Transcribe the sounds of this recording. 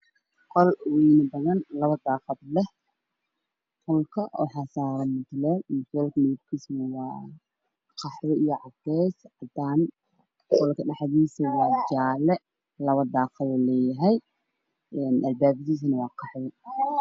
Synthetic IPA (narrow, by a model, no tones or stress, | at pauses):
qʰɔlwinɐbɐðɐnlɐβɐd̪aːqɑd̪lɛh | qʰɔlkʰɐʔɔ̰ːħɑsaːɾɐmʊt̪ʰlɛlmʊt̪ʰlɛːlkɐmɪðɪb̪̚kʰiːsnɐwɑː | qʰɑħwɔijɔʕɑɡɛːsʕɑd̪aːn | qʰɔlkʰɐɖɑħðiːsɐwɑːt͡ʃaːlɛ | lɐβɐd̪aːqɑdɔːlɛːjɐɦɛj | ɛːnʔɐlbaːbt̪iːs̬nɐwɑːqʰɑħwɔ